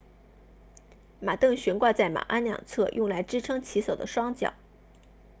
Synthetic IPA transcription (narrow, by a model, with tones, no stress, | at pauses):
ma˨˩t̪ɤ˥˩ŋɕɥɛ˧˥nkwa˥˧t͡sa˥˩ɪma̰˨˩ʔa˥nljɑ̰˨˩ŋt͡sʰɤ˥˧jʊ˥˩ŋla˧˥ɪʈ͡ʂɻ̩˥ʈ͡ʂʰɤ˥ŋt͡ɕʰi˧˥so˨˩d̪ə̰˦ʂwɑ˥ŋt͡ɕjɑ̰˨˩˦ʊ